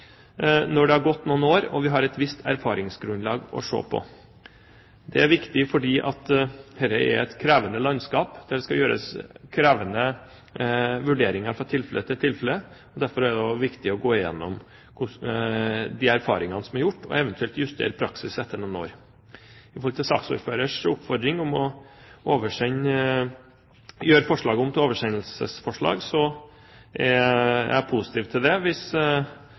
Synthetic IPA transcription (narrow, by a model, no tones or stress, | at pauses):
nɔɖɛhɑɾɡɔt̪ːnuːnoːɾɔʋɪɦɑɾɛt̪ʋɪst̪ʰæɾfɑːɾɪŋsɡɾʉnlɑːɡɔ̰ʂo̰ːpʰɔ̰ | d̪ɛæɾʋɪkt̪ɪfɔɖiːʔɑt̪hɛɾəɛ̰ɛt̪kʰɾæːʋənəlɑnskɑːpd̪̥æɖɛskɑjøːɾə̰skʰɾæːʋənə | ʋʉɖeːɾɪŋɑɾfɾɑt̪ʰɪlfɛlət̪ʰɪlt̪ʰɪlfɛlə | ɔd̪æɾfɔɾæɖɛɔʋɪkt̪ɪɔɡoːɪjɛnːɔm | kʰʊ | d̪ɪæɾfɑ̰ːɾɪŋɑnəsɔmæɾjʊʈːɔ̰ɛʋənt̪ʉɛlt̪jʉst̪ʰḛːɾəpʰɾɑksɪsɛt̪ːəɾnɔno̰ːɾ | ɪfɔlt̪ɪsɑ̰ːksṵːɾføːɾəʂʊpfɔɾd̪ɾɪŋɔmɔoːʋəʂɛɲː | jøːɾfɔʂɭɑːɡəɔmt̪oːʋəʂɛnəlsə̰sfɔʂɭɑ̰ːɡsɔ | ʔɛæ̰pʰʊsɪ̥t̪ʰiːʋt̪ʰɪld̪ɛʋɪs